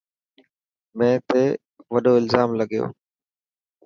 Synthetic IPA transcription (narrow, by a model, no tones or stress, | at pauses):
mɛ̃ːt̪eː | ʋɐɗoːɪlzaːmləɡijo̰ː